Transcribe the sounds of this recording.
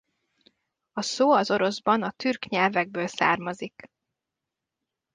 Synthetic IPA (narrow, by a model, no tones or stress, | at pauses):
ɒsoːɒzo̞ɾo̞zbɒnɒt̪yrkɲɛlvɛɡ̚bøːlsa̰ːrmɒzik